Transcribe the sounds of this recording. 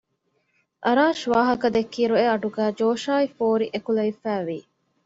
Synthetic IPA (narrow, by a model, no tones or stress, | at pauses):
ʔɐɾaːʃʋaːɦɐkɐd̪ekːiːɾueɐɖuɡæːd͡ʒoːʃaːifoːɾiʔekulɐifæːʋiː